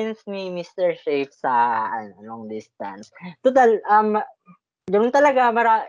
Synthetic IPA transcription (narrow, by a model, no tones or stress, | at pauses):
ɛnsnimist̪ɛɹʃejfsɐɐnnoŋd̪ist̪ɐ̰nst̪ʊt̪alʔɐm | ɡɐnʊnt̪ɐlɐɡapaːɾa